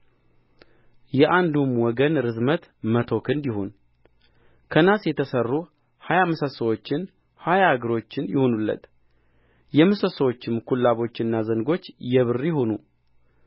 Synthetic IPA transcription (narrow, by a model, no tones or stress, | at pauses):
jɛʔand̪umwɔɡənɾɨzmət̪mət̪ʰo̞kʰɨnd̪jɪɦon | kʰənasjɛt̪ʰəsərːu | hajamɨsəsəwo̞t͡ʃːɪn | hajaɡɨɾo̞t͡ʃːɪnjɪhonulːə̰t̪ | jɛmɨsəsəwo̞t͡ʃːɪmkʰulːaβo̞t͡ʃːɪnːazəŋɡo̞t͡ʃːjɛβɨrːijɪhonu